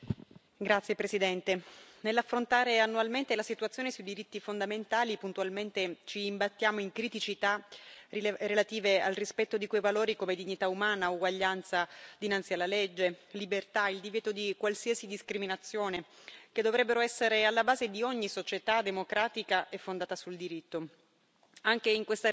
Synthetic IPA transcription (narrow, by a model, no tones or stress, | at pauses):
ɡɾat̪sjepɾesid̪ɛnt̪enelːafːɾont̪aːɾeanːualment̪elasit̪uat̪sjoːnesuid̪iɾit̪ːifond̪ament̪aːlipunt̪ualment̪et͡ʃiːmbat̪ːjaːmoiŋkɾit̪it͡ʃit̪a | ɾelat̪iːvea̰lrispɛt̪ːod̪ikwejvaloːɾikomed̪iɲːit̪aumaːnauɡwaʎːant̪sad̪inant̪sialːaled͡ʒːelibert̪aild̪ivjɛːt̪od̪ikwalsiːasid̪iskɾiminat̪sːjoːnek̟ed̪ːovɾɛbːeɾoɛsːeɾealːabaːzed̪ioɲːisot͡ʃet̪ad̪emokɾaːt̪ikaʔefːond̪aːt̪asuld̪iɾit̪ːo | aŋkeiŋkwest̪a